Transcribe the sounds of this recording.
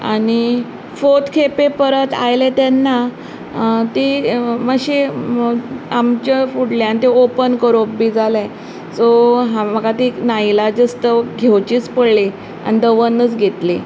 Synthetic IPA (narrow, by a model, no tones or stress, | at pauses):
a̰ɽ̃i | fot̪kʰepepəɾət̪a̰jlet̪ɛnːa | t̪iməɡɕe | amt͡ɕefuɽleanit̪eopənkəɾobːid͡zalẽ | soɦãməɡat̪inajlad͡zəst̪əɡʱewt͡ɕiːt͡spəɽle | a̰nid̪əʋənːət͡sɡʱet̪li